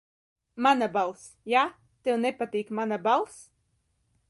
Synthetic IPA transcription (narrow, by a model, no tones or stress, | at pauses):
manabalˠs | jaː | t̪ewnɛpat̪iːkmanabalˠs